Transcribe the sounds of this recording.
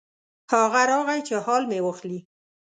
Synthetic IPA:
hɑɣaɾɑɣajt͡ʃehɑlmewəxli

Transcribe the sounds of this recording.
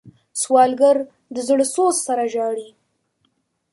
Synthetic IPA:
swɑlɡaɾ | d̪əzɽəsossaɾaʒɑɽi

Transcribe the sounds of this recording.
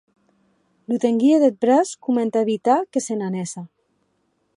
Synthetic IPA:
lut̪eŋɡieðet̪̚bɾaskument̪aeβit̪akesenanesa

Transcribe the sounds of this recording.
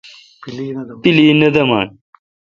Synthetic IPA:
piliːnɐd̪ɐmaːn

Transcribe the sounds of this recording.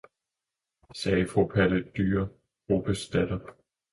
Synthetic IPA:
sɛːfʁopʰæləd̥yːɐ | ʁo̝b̥əsd̥æd̥ɐ

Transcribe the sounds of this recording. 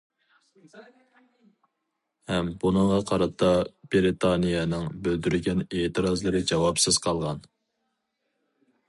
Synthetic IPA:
hɛmbunɨŋʁɑqʰɑɾɑt̪ʰːɑb̥eɾet̪ʰɑnijɛnɨŋbøld̪yɾɡʲɛneːt̪ʰɨɾɑzlˠɨɾɨd͡ʒɑwɑpsɪz̥qʰɑlˠʁɑn

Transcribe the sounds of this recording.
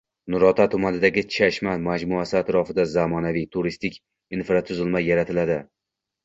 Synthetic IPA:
nʊɾɒt̪ʰat̪ʰʊmanɪd̪aɡʲɪt͡ʃʰaʃmamad͡ʒmʊasɪat̪ɾɒfɪd̪azamɒnavijt̪ʰʊɾist̪ɪkʲ | infɾat̪ʰʊzɪlmajːaɾat̪ʰɪlad̪ɪ

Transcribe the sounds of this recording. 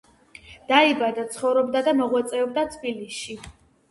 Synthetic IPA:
d̪̥aibad̪at̪sʰχɔvɾɔbd̪ad̪amɔʁwɛt̪sʼɛɔb̚d̪at̪ʰbilisʃi

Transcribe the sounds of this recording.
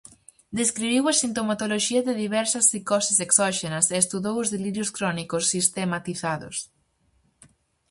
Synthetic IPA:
d̪eskɾiβiwɐsint̪omat̪oloʃiɐðɪðiβɛɾsɐsːikɔsiseksɔʃenɐseːst̪uðowʊzðeliɾjoskɾɔnikosːist̪emat̪iθaðo̰s

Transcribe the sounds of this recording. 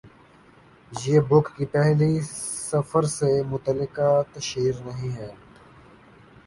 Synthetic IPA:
jeːbʊkːipɛɦlisɐfəɾsemʊt̪əlɪkat̪ɐʃiːɾnɐɦĩɦɛː

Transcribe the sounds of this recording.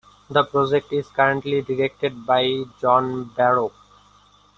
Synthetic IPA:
d̪əpɾɔd͡ʒek̚ʈɪzkʌɾə̃ɳʈliɖɪɾek̚ʈeɖ̚baɪd͡ʒɔ̃ːnbæɾoːp

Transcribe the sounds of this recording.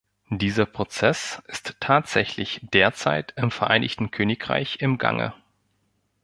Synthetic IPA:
d̥iːzɐpʁ̥ot͡sɛsɪstʰːaːtz̥ɛçlɪçd̥eːɐt͡sa̰ɪtɪmfɛɐʔaɪnɪçtn̩kʰøːnɪkʁa̰ɪçɪmɡa̰ŋə̰

